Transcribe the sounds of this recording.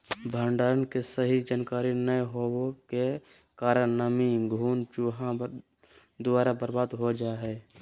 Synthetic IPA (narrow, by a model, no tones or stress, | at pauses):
bʱəɳɖaːɾənkesəɦid͡ʒənkaːɾinəeɦowoke | kaːɾənnəmiɡʱuːnt͡ʃuɦã | d̪ʊaːɾabəɾbaːd̪ɦod͡ʒaɦɛː